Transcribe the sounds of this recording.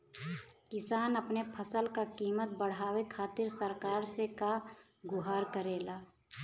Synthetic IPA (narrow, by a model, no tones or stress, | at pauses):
kɪsaːnəpnepʰəsəlkakiːmət̪̚bəɽ̤aːwekʰaːt̪ɪɾsəɾkaːɾseka | ɡʊɦaːɾkəɾeːlaː